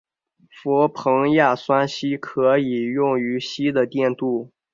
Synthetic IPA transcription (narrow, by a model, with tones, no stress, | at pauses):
fɔ˧˥pʰɤ˧˥ŋja˥˩swa˥nɕi˥kʰɤ˧˥i˨˩jʊ˥˩ŋy˧˥ɕi˥d̪ə˨t̪jɛ˥˧nt̪u˥˩